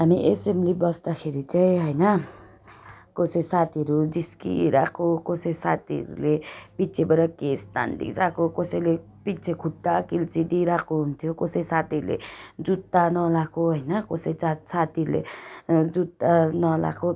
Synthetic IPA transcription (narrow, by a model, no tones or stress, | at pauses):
ɦamiʔesemlibʌsd̪akʰeɾit͡saĩɦʌjnʌ | kosʌjsat̪iʌɾud͡ziskḭɾakʰokosʌjsat̪iʌ̰ɾṵlepit͡sʰebʌɾakest̪a̰nd̪ḭkɾakokosʌjle | pit͡sʰekʰuʈːakilt͡sid̪iɾakoɦunt̪ʰjokosʌjsat̪iʌɾulḛd͡zut̪ːanʌlakoɦʌjnʌkosʌjt͡sasat̪iɾlḛd͡zut̪ːanʌla̰kʰo